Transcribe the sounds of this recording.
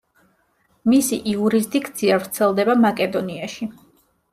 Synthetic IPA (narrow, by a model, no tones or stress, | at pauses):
misiʔiuɾizd̪ikʰt̪sʰiavɾt̪sʰɛlˠd̪ɛbamakʼɛd̪ɔniaʃi